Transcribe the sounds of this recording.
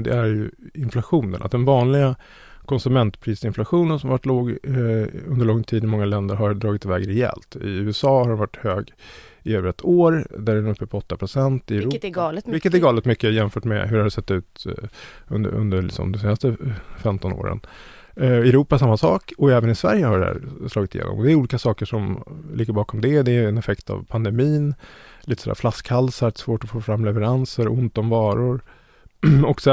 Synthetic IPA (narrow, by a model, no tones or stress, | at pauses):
d̪ɛ̰æɾjɵɪnflaɧuːnə̰nʔat̪̚d̪ɛnvɑːnlɪɡa | kʰɔnsɵmɛnt̪pʰɾiːsɪnflaɧuːnənsɔmvaʈːloːɡ | ɵ̰nd̪əɾɭɔŋt̪ʰiːd̪ɪmɔŋːalɛnd̪əɾɦaɾd̪ɾɑːɡɪt̪ʰːɪvɛːɡɾɛɛ̰lt̪ɪ̰ʉ̟ːɛsɑːhaɾɛnvaʈːhøːɡ | ɪɛbɾɛt̪ʰːoːɾd̪æɖɛɵpʰːəpʰɔɔt̪ːapʰɾʊsɛnt̪ɪɛɾuːvɪkːət̪æɾɡɑːlɛət̪mʏkːəjɛmfœːʈmɛ̰ɦɵɾhadɖɛsɛt̪ːʉ̟ːt̪ | ɵ̰nd̪ə̰ɾɵ̰nd̪əlɪ̰ksɔ̰md̪ɛseːnast̪əfɛmt̪ɔno̰ːɾə̰n | ɛɾuːpasamːasɑːkɔɛːvənɪsvæ̰ɾjəhaɖɛæ̰ːɾslɑːɡɪt̪ɪjḛːnɔ̰mɔd̪ɛæɾuːliːkasɑːkəʂɔmlɪːɡəbɑːkɔmd̪ɛd̪ɛɛnɛfɛkt̪ʰa̰vpʰand̪ɛmiːnliːt̪ə̥sɔd̪æ̰ɾflaskhalsaɾt̪svoːʈɔfoːfɾamːlɛvɛɾansəɾʊnt̪ɔmvɑːɾʊɾ | ɔksɛ